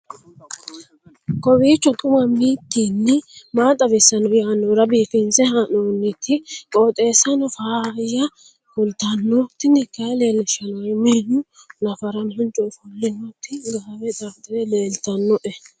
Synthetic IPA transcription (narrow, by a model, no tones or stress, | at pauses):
kʼɔwiːt͡ʃːɔtʼʊmɐmiːt̪ːinːɪmaːt̪ʼːɐbɛsːɐnɔjanːɔɾɐbiːfɪnsɛhɐnoːnːɪt̪ʰːɪkʼoːt̪ʼe̞ːsːɐnɔfaːɾɪjɐ | kʊlt̪ɐnːɔt̪ːɪnɪkːɐle̞ːlːɪʃɐnɔwɐjmɪnːʊ | nɐfɐɾɐnhʊnt͡ʃʼɔfʊlːɪnːɔt̪ːɪɡɐwɛt̪ʼaft̪ʼːɪd̪ɛleːlt̪ɐnːɔʔɛ